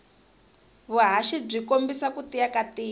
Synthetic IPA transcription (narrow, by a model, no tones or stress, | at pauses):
βuɦaʃib͡ʐikombisakutijakatiː